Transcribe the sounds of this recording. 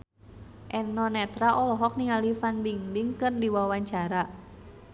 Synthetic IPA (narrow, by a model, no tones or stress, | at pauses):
ʔɛnɔnɛt̪ɾaʔɔlɔɦɔk̚niŋalifanbiŋdiŋkɨrdiwawaɲt͡ʃaɾa